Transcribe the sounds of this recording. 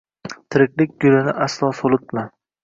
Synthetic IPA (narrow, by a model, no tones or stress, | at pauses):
t̪ʰɪɾɪkʲlɪkʲɡʊlɪnɪʔaslˠɒsolˠɪt̪̚man